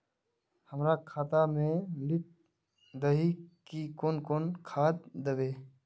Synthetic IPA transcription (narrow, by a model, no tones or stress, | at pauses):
həmɾakʰaːt̪amẽlɪt̪̚ | d̪əɦikikoːnkoːnkʰaːt̪̚d̪əʋeː